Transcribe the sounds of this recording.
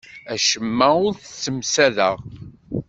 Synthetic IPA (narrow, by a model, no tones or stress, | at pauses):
æʃəmːæʊɾθt͡sːəmsæðəʁ